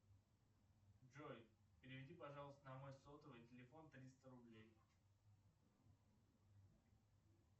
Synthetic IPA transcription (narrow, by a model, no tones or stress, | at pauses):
ʐojpʲɪɾʲɪvʲɪdʲipɐʐɑlˠəst̪ənɐmojsot̪əvətʲɪlʲɪfo̞nt̪ɾʲist̪əɾʊblʲej